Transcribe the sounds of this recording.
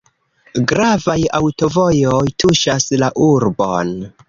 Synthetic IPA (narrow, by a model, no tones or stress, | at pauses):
ɡɾavajawto̞vo̞jojtʰuʃaslaʔuɾbo̰n